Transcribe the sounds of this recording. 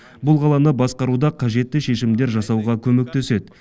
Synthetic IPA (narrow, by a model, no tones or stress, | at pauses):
bʊlˠqʰɑlˠɑnəbɑsqɑɾud̪ɑqʰɑʒe̞t̪ːɪʃe̞ʃɪmd̪e̞ɾʒɑsɑwʁɑkʲʰɵmek̚t̪e̞se̞d̪ɪ